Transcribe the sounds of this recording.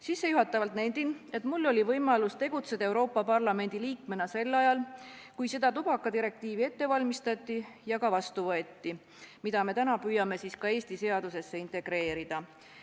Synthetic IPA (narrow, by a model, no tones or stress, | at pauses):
sisːe̞juɦɑt̪ːˑɑvɑlt̪næjnd̪ine̞t̪ˑmulːo̞lʲivɤjmɑlust̪e̞ɡ̥ut̪se̞d̪̥ɑe̞wɾo̞ːpːˑɑpɑrlɑme̞nʲd̪̥iliːkme̞nɑse̞lːɑjɑlkujse̞d̪̥ɑt̪ub̥ɑkːˑɑt̪iɾe̞k̚t̪iːvie̞t̪ːe̞vɑlʲmist̪ɑt̪ˑːijɑkɑvɑst̪uvɤe̞t̪ːi | mid̪̥ɑme̞t̪ænɑpyːjɑme̞siskɑe̞ːst̪ise̞ɑd̪use̞sːe̞int̪ˑe̞ɡ̥ɾe̞ːɾid̪̥ɑ